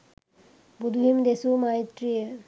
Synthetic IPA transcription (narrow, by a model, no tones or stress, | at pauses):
bud̪ʱuɦimd̪esumajt̪ɾijə